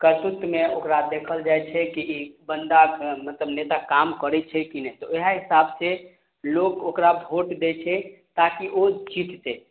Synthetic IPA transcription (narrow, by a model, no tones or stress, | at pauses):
kət̪ut̪ːmeokɾad̪ekʰəld͡ʒajt͡ʃʰɛkiʔibənd̪akmət̪ləbnet̪akamkəɾɛt͡ʃʰɛkinɛt̪ɔeɦaɦisabse | lokokɾabʱoʈd̪et͡ʃʰɛt̪akiʔod͡ʒit̪t̪e